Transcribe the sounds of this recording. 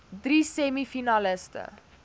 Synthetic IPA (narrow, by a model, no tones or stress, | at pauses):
driːsɛmifinaləstə̰